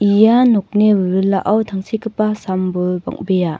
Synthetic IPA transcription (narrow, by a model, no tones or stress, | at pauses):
ijanuk̚nebɯɾɯlːa̰ʔawtʰaŋsikɯpasambulba̰ŋ̚beja